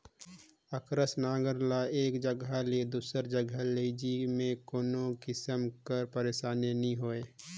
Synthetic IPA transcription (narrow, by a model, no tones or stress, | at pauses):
əkɾəsnaːɡəɾlaeːkd͡ʒəɡʱaled̪uːsəɾd͡ʒəɡʱaleɪd͡ʒimẽkoːnoɡɪsəmkəɾpəɾeːʃaːneniɦoːeː